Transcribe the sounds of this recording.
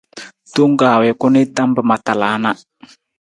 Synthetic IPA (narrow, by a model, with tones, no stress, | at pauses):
to˦ŋ˦ɡaː˨wɛ˨kʊ˦nɪ˦ta˦mbə˨ma˨ta˨laː˨˦na˦